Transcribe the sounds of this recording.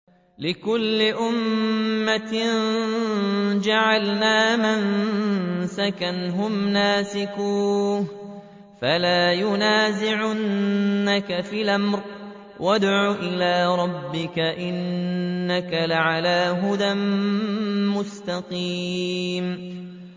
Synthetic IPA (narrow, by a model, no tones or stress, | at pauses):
lɪkʊlːɪʔʊmːat | d͡ʒaʕalnaːmɪn | sakanɦʊmnaːsɪkuːh | falaːjʊnaːzɪʕanːakafiːlʔamɾ | wʔad̪ʕuːʔɪlaːɾˤɑbːɪkaʔɪnːakalaʕalaːɦʊd̪amː | ʊst̪aqiːm